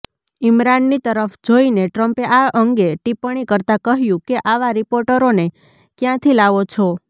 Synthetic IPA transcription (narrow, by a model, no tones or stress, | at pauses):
imɾanːit̪əɾəfd͡ʒoineʈɾəmpeʔaʔəŋɡeʈipəɳ̃ikəɾt̪akəɦjũkeʔaʋaɾipoɾʈəɾone | kjãt̪ʰilaʋot͡ʃʰo